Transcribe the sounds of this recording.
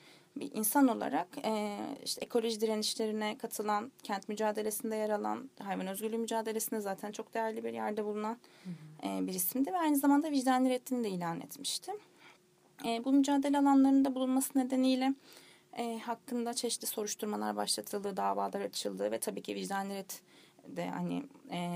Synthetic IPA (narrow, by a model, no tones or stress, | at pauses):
bḭʔḭnsano̞lˠa̰ɾakɛḭʃt̪ʰɛekʰo̞lʲo̞ʒid̪iɾeniʃlʲe̞ɾinɛkʰat̪ʰɯlˠancʰænt̪myd͡ʒaːd̪e̞lʲe̞sind̪ɛjaɾalˠa̰nɦajvanø̞zɡɟylʲymyd͡ʒaːd̪e̞lʲe̞sind̪ɛzaːt̪ʰænt͡ʃʰo̞k̚d̪e̞jæɾlʲibiɾjæɾd̪ɛbulˠunanɛːbiɾismd̪ivɛajnɯzamand̪aviʒd̪anlʲiɾɛt̪ʰːinid̪ɛiːlʲaːnɛ̰t̪mi̥ʃt̪ʰɪ | ɛbumyd͡ʒaːd̪e̞lʲɛalˠanlˠaɾɯnd̪abulˠunmasɯne̞d̪e̞nijlʲɛ | ɛːhakːɯnd̪at͡ʃʰeʃt̪ʰʲiso̞ɾuʃt̪ʰuɾmalˠa̰ɾbaʃlˠat̪ʰɯlˠd̪ɯːd̪aːvaːlˠaɾat͡ʃʰɯlˠd̪ɯːvɛt̪ʰabiːcʰiviʒd̪anlʲiɾɛt̪d̪ɛ̰ha̰nɪ̰